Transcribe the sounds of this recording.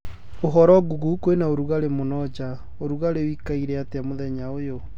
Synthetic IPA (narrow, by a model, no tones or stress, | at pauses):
oɦɔɾɔɡuɣukwenaoɾuɣaɾemonɔd͡ʑa | oɾuɣaɾewikaiɾɛateamoðɛɲaojo